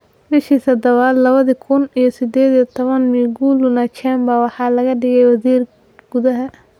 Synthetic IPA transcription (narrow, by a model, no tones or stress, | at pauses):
bɪʃiːsɐd̪ɐβaːd̪lɐβɐðɪkʰʊnijɔsɪd̪ɛːðit̪ʰɔβɐnmiɡuːlʊnɐt͡ʃʰɛːmbɐwɑħɑːlɐɣɐɖɪɣɛjwɐsiːr | ɡ̥ʊðɐɦɐ